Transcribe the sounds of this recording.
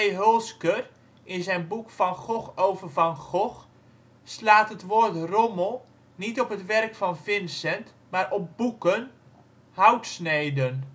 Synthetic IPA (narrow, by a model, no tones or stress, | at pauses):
jɦølˠskər | ʔɪnzɛjnbukfɑnχɔxowvərvɑnχɔx | slaːtətʋoːrtrɔməlˠ | nitɔpətʋɛrkfɑnvɪnsɛnt | maːɾʔɔp̚bukən | hawtsnejdən